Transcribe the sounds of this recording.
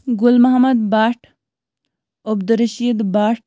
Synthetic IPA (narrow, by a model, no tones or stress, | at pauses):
ɡʊlmɐɦɐmɐd̪baːʈʰ | obd̪ɾɐʃiːd̪baːʈ